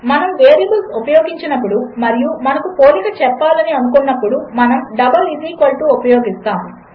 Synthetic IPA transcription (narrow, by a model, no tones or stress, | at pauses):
mɐnɐmʋeːɾjɐbɐlsupɐjoːɡiɲt͡ʃɐnɐpːuɽumɐɾijumɐnɐkupoːlikɐt͡ʃɛpːaːlɐniɐnukunːɐpːuɽumɐnɐmɖɐbɐliziːkolʈuupɐjoːɡist̪aːmu